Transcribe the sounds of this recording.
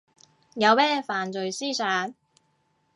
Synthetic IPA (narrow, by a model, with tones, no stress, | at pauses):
jɐ˨˧wmɛː˥faː˨nt͡sɵ˨ɥsiː˥saː˨˧˥n